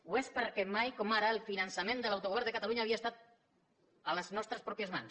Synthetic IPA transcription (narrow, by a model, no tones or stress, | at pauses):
uespəɾkemajkomaɾaelfinansamẽnd̪əlawt̪oɣɛɾnd̪əkat̪aluɲaːβiaest̪at̪̚ | aləznɔst̪ɾəspɾɔpjəzma̰ns